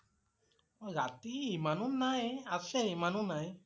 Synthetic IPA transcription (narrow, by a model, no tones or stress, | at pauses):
ɔɡat̪imanunajasemanunaj